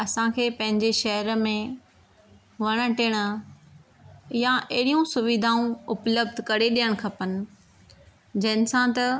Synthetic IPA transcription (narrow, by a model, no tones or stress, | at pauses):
ɐsãkʰeːpɐ̃ɦɪ̃ɲd͡ʑeʃɐɦəɾmẽ | ʋɐɽ̃ə̆ʈɪːɽ̃ʊ̆ | jãʔɐɦɪɽijũsʊʋɪd̪ʱaːũʊpləb̚d̪ʱkɐɾeɗijəɽ̃kʰɐpənɪ̆ | d͡ʑɐnɪ̆sãt̪ɐ